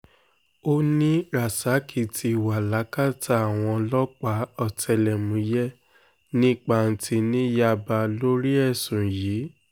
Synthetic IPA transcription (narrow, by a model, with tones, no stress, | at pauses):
o˦nĩ˦ɾa˨sa˨˦kʰi˦˨tʰi˧˨wa˨la˨˦ka˦˨ta˧˦a˨w̃ɔ̃˧lɔ˦k͡pa˨˦ɔ˦˨tʰɛ˧lɛ˨mũ˨˦jɛ˦ | nĩ˦k͡pa˧˨n̩˧tʰi˧nĩ˦ja˧ba˧lo˦ɾi˦ɛ˦˨sũ˨jiː˨˦